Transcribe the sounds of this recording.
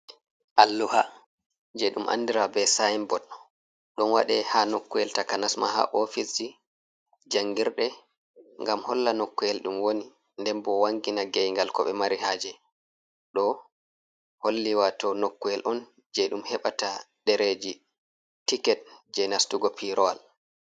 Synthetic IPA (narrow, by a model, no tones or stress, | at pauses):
ʔalːuha | d͡ʒɛɗumʔa̰nːdiɾabɛsajimbɔt | ɗɔnwa̰ɗɛhanokːujɛltakanasma̰ha̰ʔofisd͡ʒi | d͡ʒaŋɡiɾɗɛ | ŋɡamhɔlːanokːuɛlɗumwoni | ndɛmbɔwaŋɡinaɡɛjŋɡalkɔɓɛmaɾihaːd͡ʒɛ | ɗɔ | holːiwatɔnokːuɛlʔɔn | d͡ʒɛɗumhɛɓata | ɗɛɾed͡ʒi | tikɛt̚d͡ʒɛnastuɡɔpʰiɾɔal